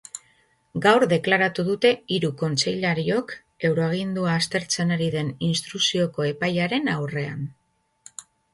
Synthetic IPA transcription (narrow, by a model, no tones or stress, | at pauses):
ɡawɾðe̞klaɾat̪uð̞ut̪e̞iɾuko̞nt͡se̞jʎaɾio̞k | e̞wɾo̞aɣind̪uaːst̪e̞ɾt͡senaɾiðe̞ninst̪ɾusio̞ko̞e̞pajaɾe̞nawre̞an